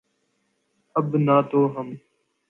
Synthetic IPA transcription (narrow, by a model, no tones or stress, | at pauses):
əbnaːt̪oːɦəm